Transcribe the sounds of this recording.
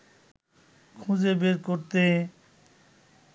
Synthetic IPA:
kʰũd͡ʑebeɾkoɾt̪e

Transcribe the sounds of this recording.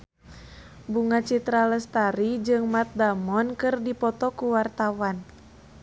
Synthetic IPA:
buŋat͡ʃit̪ɾaləst̪aɾid͡ʒɨŋmat̪̚damɔnkɨrdipɔt̪ɔkuwart̪awan

